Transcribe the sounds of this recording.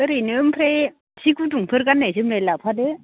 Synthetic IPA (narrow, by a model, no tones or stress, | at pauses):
ɯɾɯnɯmpʰɾe | sikuduŋpʰɯɾɡanːasɯmɾelapʰadɯ